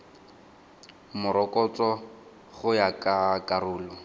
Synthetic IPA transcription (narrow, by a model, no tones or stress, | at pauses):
mʊɾɔkʼɔt͡sɔ | χʊjakʼakʼarʊːlɔ